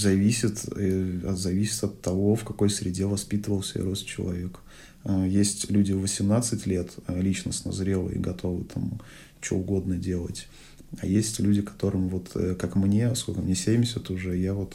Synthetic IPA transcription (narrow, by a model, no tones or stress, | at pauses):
zɐvʲisʲɪt̪ɐzɐvʲisʲɪ̥t̪ɐt̪ːɐvo̞fkɐko̞jsʲɾʲɪdʲe̞vɐspʲit̪əvəlˠsʲḛɾost͡ɕːɪ̰lˠɐ̰vʲe̞k | jesʲtʲlʲudʲɪvəsʲɪmnat̪sɨtʲlʲet̪lʲit͡ɕnəsʲnɐ̰zɾʲe̞lˠə̰ḭɡɐt̪ʰo̞vɨ̰t̪ʰam | t͡ɕɪo̰ʊɡo̞d̪nədʲe̞lˠətʲ | ɐjesʲtʲlʲudʲɪkɐ̥t̪o̞ɾɨmvo̞t̪ʰkakmnʲe̞skolʲkəmnʲesʲemʲɪsʲɪt̪ʊʐɛjavo̞t̪